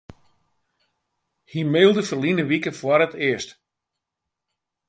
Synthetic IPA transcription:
himeːlˠdəfərlinəʋikəfwɔɾətɪəst

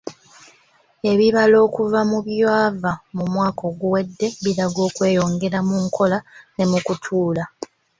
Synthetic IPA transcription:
e̞βiβalo̞ːkuvamuβjwaːvamumwaːko̞ɡuwe̞dːe̞βiɾaɡo̞ːkwe̞ːjo̞ːŋɡe̞ɾamuŋkʰo̞lane̞mukutʰuːla

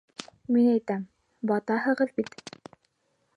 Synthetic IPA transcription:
minæjt̪æm | bɑt̪ɑɦɤ̆ʁɤðbit̪

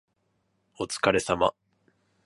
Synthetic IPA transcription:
o̞t͡sɨ̥kaɾe̞sama̰

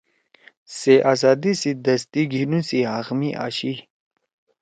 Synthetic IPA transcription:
seʔazaːd̪isid̪ɐst̪iɡʱinusiɦaxmiʔa̰ɕi

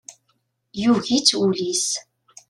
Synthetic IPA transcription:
juʝit͡sːulis

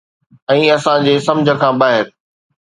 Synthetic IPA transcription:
ɛ̃ːɐsãd͡ʑeːsɐ̃md͡ʑʱə̆kʰãːbaːɦɪɾ

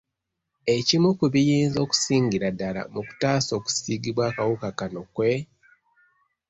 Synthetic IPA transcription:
e̞cimukuβijiːnzo̞ːku̥siːɲɟiɾadala̰muku̥taːso̞ːku̥siːɡiβwaːkawukakano̞kwe̞

